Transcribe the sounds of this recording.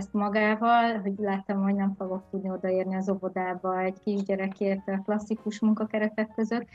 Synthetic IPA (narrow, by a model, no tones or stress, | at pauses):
st̪mɒɡaːvɒlɦo̞ɟlaːt̪ɔmho̞ɟnɛɱfoɡo̞k̚t̪ud̪nio̞d̪ɒeːrniɒzo̞vo̞d̪aːbɒɛɟkiʒɟɛɾɛkeːrt̪klɒsːikuʃmuŋkɒkɛɾɛt̪ɛkːø̞zø̞t̪ː